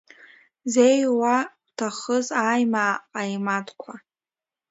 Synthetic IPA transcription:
zejwawtʰaχəzaːjmaːqʼajmatʼkʷʰa

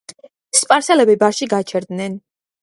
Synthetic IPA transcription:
spʼaɾsɛlɛbibaɾʃiɡat͡ʃʰɛɾd̪nɛn

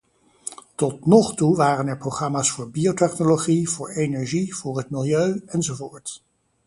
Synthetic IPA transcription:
tɔtnɔχtuʋaːrənɛɹprowχrɑmaːsfʊːɹbiowtɛχnoloχiv̥ʊːɹejnɛɹʒiv̥ʊːɹɦətmɪlˠjøɥɛnzovoːɹt

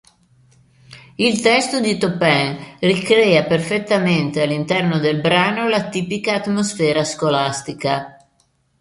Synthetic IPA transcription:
ilt̪ɛst̪od̪it̪opɛŋrikɾɛːaperfet̪ːament̪ealːint̪ɛrnod̪elbɾaːnolat̪iːpikaːt̪mosfɛːɾaskolast̪ika

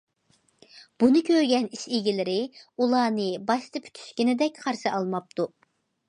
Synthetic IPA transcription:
b̥unɨkʲʰøɾɡʲɛniʃeɡʲilɪɾɪulˠɑːnɨbɑʃt̪ɨpʰy̥t̪ʰy̥ʃkʲinɪd̪ɛkʲqʰɑɾʃɨɑlˠmɑp̚t̪u

